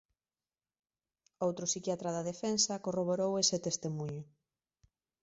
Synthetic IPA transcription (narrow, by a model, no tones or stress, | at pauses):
owt̪ɾʊsikjat̪ɾaðaðefensɐkoroβ̞oɾowesɪt̪est̪emuɲʊ